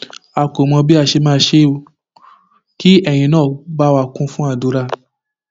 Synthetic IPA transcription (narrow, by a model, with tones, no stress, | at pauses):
a˨ko˨mɔ̃˧bi˦a˧˨ʃe˧mãː˦˧˦ʃe˧˦˧ | ki˦ɛ˦˨j̃ĩ˧nãː˦˨ba˦wa˧kũ˦fũ˦a˦˨du˨˦ɾa˧˨